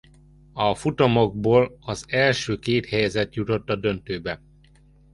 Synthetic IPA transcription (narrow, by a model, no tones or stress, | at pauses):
ɒfut̪omo̞ɡ̚boːlɒzɛlʃøːkeːt̪hɛjɛzɛt̪jut̪o̞t̪ːɒd̪ø̞nt̪øːbɛ